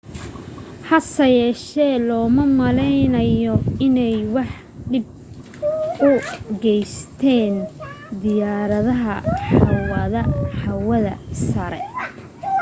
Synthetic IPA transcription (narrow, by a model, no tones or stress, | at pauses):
ħɐsɐjɛːʃɛːlɔːmɐmɐlɛjnɐjɔɪnɛjwɑħ | ɖɪb̚ | ʊɡɛjst̪ʰɛːn | d̪ɪjaːɾɐðɐɦɐħɑwɐðɐħɑwɐðɐ̰sɐɾɛ̰